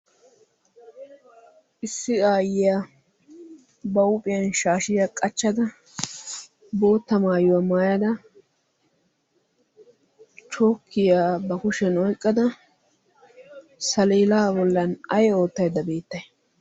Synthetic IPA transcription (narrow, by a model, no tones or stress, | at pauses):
ʔɪsːɪaːjɪjaː | bɐʊpʼɪjɐnʃaːʃɪjakʼɐt͡ʃːɐd̪ɐ | bo̞ːt̪ːɐmaːjʊwɐmaːjɐd̪ɐ | t͡ʃo̞ːkʰːɪjaːbɐkʊʃɛnɔjkʼːɐd̪ɐ | sɐliːlaːbɔlːɐnɐjo̞ːt̪ːɐjd̪ːɐbe̞ːt̪ːɐj